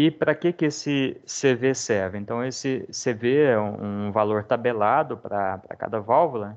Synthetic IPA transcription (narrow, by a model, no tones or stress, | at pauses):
ɪpɾɐkekɪesɪsevesɛɾvɪẽnt̪ɐ̃w̃esɪseveɛũṵ̃valoɾt̪abelad̪ʊpɾɐpɾɐ̰ka̰d̪ɐvawvolɐ